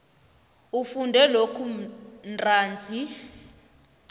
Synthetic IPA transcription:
ufundʱɛlokʰunrʼaːnd͡zʱi

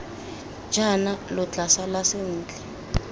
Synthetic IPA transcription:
d͡ʒʱanalɔt͡ɬasalasen̩ːt͡ɬɛ

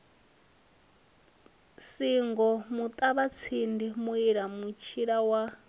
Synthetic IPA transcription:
siŋɡɔmut̪ʼaβat͡sʰindimuiɺamut͡ʃʰiɺawa

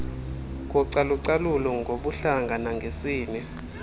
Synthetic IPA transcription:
k̬ɔǀaluǀalulɔŋʱoɓuɬaŋɡʱanaŋɡʱesiːnɛ

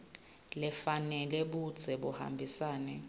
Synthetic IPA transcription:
lɛfanɛlɛɓud̥z̥ʱɛɓuha̰mbʱisaːnɛ

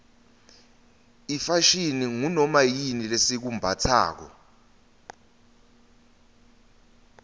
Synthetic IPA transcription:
ifaʃiniŋunɔmajinilesik̬umbʱatʰa̰ːk̬ɔ̰

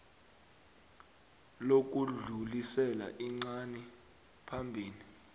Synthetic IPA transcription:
lok̬uɮulisɛla̰ʔiŋ͡ǀani | pʰambʱiːni

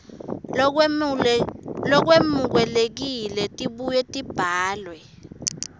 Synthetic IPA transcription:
lɔk̬wemuk̬wɛlek̬ilɛtʼiɓujɛtʼib̥ʱaːlwɛ

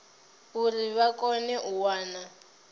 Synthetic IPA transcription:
uriβakʼɔnɛʔuwaːna

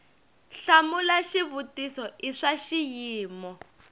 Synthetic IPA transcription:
ɬamulaʃiβutisɔiʂaʃijiːmɔ

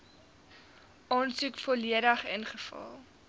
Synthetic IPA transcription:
ɑːnsukfɔliədəχə̰nχəfɐ̰lˠ

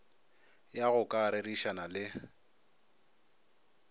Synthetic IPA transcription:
jaɣʊkʼaɾɪɾiʃanalɪ

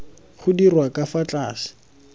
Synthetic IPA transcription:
χʊdirwakafat͡ɬʼaːsɪ̥

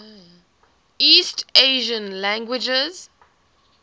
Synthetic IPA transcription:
isteɪʒə̃nlæ̃ŋɡwɪd͡ʒəz̥

